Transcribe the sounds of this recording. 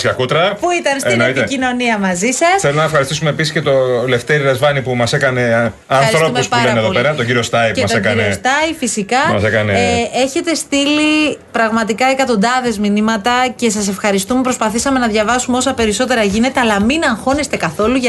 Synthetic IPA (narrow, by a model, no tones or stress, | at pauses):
skɐkut̪ɾɐpuit̪ɐnseinoit̪eino̞niɐmɐzisɐsθelonɐefxɐɾist̪isumeːpisisce̞t̪o̞le̞ft̪eɾiɾɐzvɐnipumɐsekɐne̞ | ɐnɐiθɾsɾo̞umuspuɾeɐneðoeɾɐt̪oɲɟiɾiost̪ɐjɐsekɐnest̪ɐjfisikɐmɐsekɐnee̞çe̞t̪e̞st̪ilipɾɐɣmɐt̪ikɐekɐt̪o̞nd̪ɐðe̞zminimɐt̪ɐce̞sɐse̞fxɐɾist̪umepɾo̞spɐθisɐme̞nɐðʝɐvɐsumeo̞sɐpe̞ɾiso̞t̪e̞ɾɐʝine̞t̪e̞ɐlɐminɐŋxo̞nest̪e̞kɐθo̞luʝ